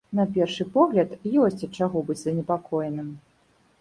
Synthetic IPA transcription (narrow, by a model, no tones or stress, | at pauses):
nɐpʲɛrʂɨpɔɣlʲɐt̪jɔsʲt͡sʲɐt̪̚t͡ʂaɣɔbɨt͡sʲzɐnʲɛpakʰɔjɛnɨm